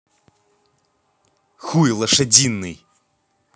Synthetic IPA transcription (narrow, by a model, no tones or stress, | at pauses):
xujlˠɐʂɐd͡zʲinːɨj